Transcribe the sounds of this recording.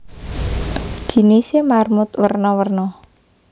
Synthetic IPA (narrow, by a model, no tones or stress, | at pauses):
d͡ʒ̥inesemarmʊt̪wərnɔwərnɔ